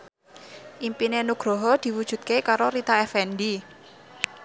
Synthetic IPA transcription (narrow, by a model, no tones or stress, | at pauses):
ʔimpinenuɡ̥ɾɔɦɔd̪̥i̤wud̥ʒ̥ṳt̪̚kekaɾoɾit̪aɛfɛnd̪i